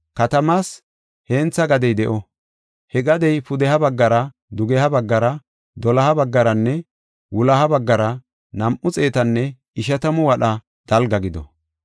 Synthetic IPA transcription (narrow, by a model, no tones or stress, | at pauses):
kɐt̪ɐmaːs | heːnt͡sːɐɡɐd̪ɛjd̪ɛʔɔ | hɛɡɐd̪ɛjpʊd̪ɛɦɐbɐɡːɐɾɐ | d̪ʊɡɛhɐbɐɡːɐɾɐ | d̪ɔlɐhɐbɐɡːɐɾɐnːɛ | wʊlɐhɐbɐɡːɐɾɐ | nɐmʔʊt͡sʼe̞ːt̪ɐnːɛ | ɪʃ̬ɐt̪ɐmʊwɐɗɐ | d̪̥ɐlɡɐɡɪd̪ɔ̰